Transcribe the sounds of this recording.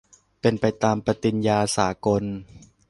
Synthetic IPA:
pe˧npa˧jt̪aː˧mpɾa˧t̪i˧njaː˧saː˩˦ko˧n

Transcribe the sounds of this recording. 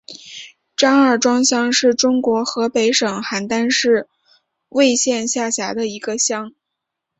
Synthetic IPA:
ʈ͡ʂɑ˥ŋə˞˥˩ʈ͡ʂwɑ˥ŋɕjɑ˥ŋʂɻ̩˥˩ʈ͡ʂʊ˥ŋkwɔ˧˥xɤ˧˥pe˧˥ɪʂɤ˨˩ŋxa˨˩nt̪a˥nʂɻ̩˥˧ | we˥˧ɪɕjɛ˥˧nɕja˥˩ɕja˧˥d̪ə˧i˧˥ɡə˧ɕjɑ˥ŋ

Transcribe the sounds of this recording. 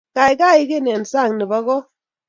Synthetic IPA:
ka˨jka˦˨ɪ˦ke˦˨nɛ˨n˨sa˦˨ŋni˨ba˦kɔ˦

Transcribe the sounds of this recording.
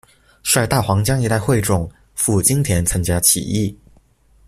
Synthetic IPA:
ʂwa˥˧˩t̪a˥˩xwɑ˧˥ŋt͡ɕjɑ˥ŋi˥t̪a˥˧ɪxwe˥˧ɪʈ͡ʂʊ˨˩ŋ | fu˥˩t͡ɕi˥ŋt̪ʰjɛ˧˥nt͡sʰa˥ŋt͡ɕja˥t͡ɕʰḭ˨˩i˥˩

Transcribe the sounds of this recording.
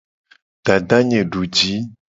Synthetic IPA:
ɖ̥a˨ɖa˦ɲẽ˨ɖu˨d͡ʒi˨˦

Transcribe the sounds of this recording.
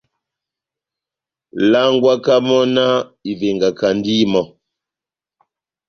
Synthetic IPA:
la˦ŋɡwa˦ka˦mɔ˦na˦i˨ve˨ŋɡa˨ka˨ndi˦mɔ˨

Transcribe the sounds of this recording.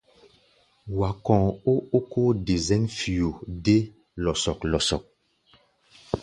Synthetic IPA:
wa˨kɔ̃ː˨o˦o˦ko˦de˨zɛ̃˦nfi˨o˨de˦ | lɔ˨sɔ˨klɔ˨sɔ̰˨k̚

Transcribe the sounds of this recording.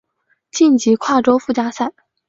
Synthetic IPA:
t͡ɕi˥˩nt͡ɕi˧˥kʰwa˥˩ʈ͡ʂo˥ʊfu˥˩t͡ɕja˥sa˥˩ɪ

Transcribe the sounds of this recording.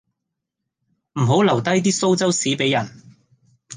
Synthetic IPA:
m̩˨˩ɦo˨˥wlɐ˨˩wt̪ɐ˥jt̪̬iː˥so˥wt͡sɐ˥wsiː˨˥pe˨˥jːɐ˨˩n

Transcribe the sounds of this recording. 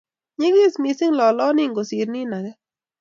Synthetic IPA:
ɲe˦ɡɪ˦˨smi˨sɪ˦ŋlɔ˨lɔ˦nɪ˦ŋɡo˨si˨ɾni˦na˨ɡɛ˦

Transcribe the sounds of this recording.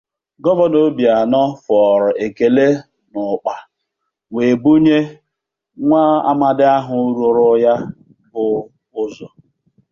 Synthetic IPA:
ɡɔ˦bɔ˦no˦bja˨nɔ˦fɔ˨ɾɔ˨e˨ke˨le˦ | nʊ˨k͡pa˨ | ŋe˨bu˦ɲe˦ | ŋʷa˦a̰˦ma˨dɪ˦a˦ɦʊ˦ɾo˨ɾʊ˦ja˦ | bʊ˨ | ʊ˦zɔ˨

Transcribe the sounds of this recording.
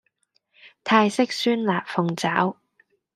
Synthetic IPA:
t̪ʰaː˧jsɪ˥k̚syː˥nlaː˨˩p̚fʊ˨˧ŋt͡saː˨˥w

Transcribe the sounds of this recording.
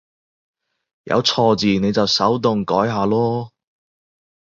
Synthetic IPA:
jɐ̰˨˧wt͡sʰɔː˧t͡siː˨ne˨˧jt͡sɐ˨wsɐ˨˥wt̪̬ʊ˨ŋkɔː˨˥jɦaː˨˧lɔː˥

